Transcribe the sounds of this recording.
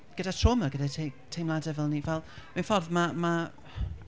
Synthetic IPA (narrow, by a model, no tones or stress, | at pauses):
ɡ̥ədatʰroːməɡədatʰetʰejmlˠadɛvɛlˠnivɛlˠminfɔrðmama